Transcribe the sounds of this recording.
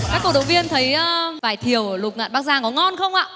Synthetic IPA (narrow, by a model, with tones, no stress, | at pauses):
kaː˦˥kːo̰˧˩ɗo̰˧˨wvi˧ənt̪ʰə˨˦jəː˧vaː˧˩jt̪ʰi˧˩əwlʊ˨˩k͡p̚ŋa̰ː˧˨nɓaː˦˥k̚zaː˧˩ŋkɔ˨˦ŋɔ˧nxə˧wŋ͡mʔa̰ː˧˨